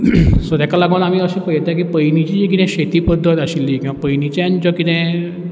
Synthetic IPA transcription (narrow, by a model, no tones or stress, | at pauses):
səd̪jakalaɡənamiːəɕĩːpəɦjt̪ẽk̬iːpəjnit͡ɕid͡ʑik̬it̪ɛ̃ɕet̪iːpəd̪ʱːət̪aɕilːikĩʋapəjnit͡ɕaɲt͡ɕɔkit̪ɛ̃